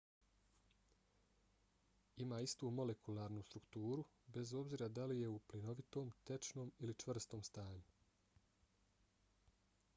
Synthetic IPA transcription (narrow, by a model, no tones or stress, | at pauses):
imaːist̪uːmo̞le̞kʰulˠaːɾnust̪ɾukt̪uːɾube̞zo̞bziːɾad̪alije̞uplino̞ʋit̪o̞ːmt̪e̞t͡ʃno̞ːmilit͡ʃʋr̩st̪o̞ːmst̪aːɲu